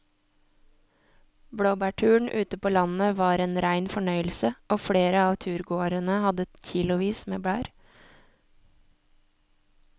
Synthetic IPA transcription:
bɽoːbæːʈʰʉːɳ̩ʔʉːt̪əpʰoːlɑnəʋɑːɾeːnɾæɪnfɔɳœʏəl̩səʔoːfɽeːɾəɑːʋt̪ʰʉːɾɡoːɾənəhɑd̪əçɪlʊʋiːsmeːbɽæːɾ

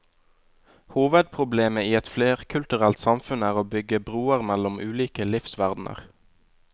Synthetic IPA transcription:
huːʋəd̪̚pʰʁʊbleːməiːɛt̪fleːʁkʰʉlt̪ʉʁɛlt̪sɑmfʉnæːʁoːbʏɡəbʁuːəʁmælʊmʔʉːliːkəlɪfsʋæʁd̪nə̰ʁ

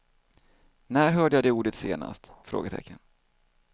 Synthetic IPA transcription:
næːɾɦœːɖəjad̪ɛuːɖət̪seːna̰st̪fɾo̰ːɡət̪ʰɛ̰kʰːən

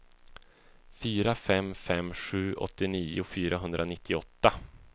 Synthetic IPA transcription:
fyːɾafɛmːfɛmːɧʉ̟ːʔɔ̰t̪ːɪniːʊfyːɾʔaɦɵnd̪ɾanɪt̪ʰːɪɔt̪ːa

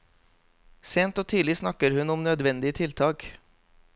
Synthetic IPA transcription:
seːnt̪oːt̪ʰyːlɪsnɑkəɾhʉnʊmnœd̪ʋɛnd̪ɪət̪ʰɪlt̪ʰɑːk

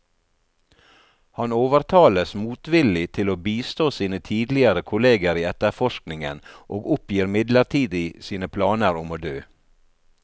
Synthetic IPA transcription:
hɑnoːʋəɾt̪ʰɑːləsmuːt̪ʋɪlɪt̪ʰɪloːbiːst̪oːsiːnət̪ʰiːd̪lɪəɾəkʰʊleːɡəɾiːɛt̪əɾfɔʃknɪŋə̰nʔoːɡʊpjiːɾmɪd̪ləɾt̪ʰiːd̪ɪsiːnəpʰlɑːnəɾʊmoːd̪øː

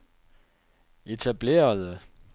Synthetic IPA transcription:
e̝t͡sʰæb̥le̝̰ːɐðˠə

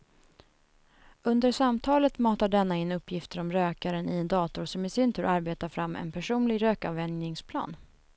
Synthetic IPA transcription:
ɵnd̪əɾʂamt̪ʰɑːlət̪mɑːt̪aɖɛnːaɪnɵpːjɪft̪əɾɔmɾøːkaɾənɪɛnd̪ɑːt̪ʊɾʂɔmɪsɪnt̪ʰʉ̟ːɾʔaɾbeːt̪aɾfɾamːɛ̰npʰæʂuːnlɪɡɾøːkavɛnnɪŋspʰlɑ̰ːn

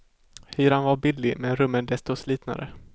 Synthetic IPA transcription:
hyːɾanvaɾbɪd̪lɪmɛnɾɵmːənd̪ɛst̪ɔsliːt̪na̰ɾə̰

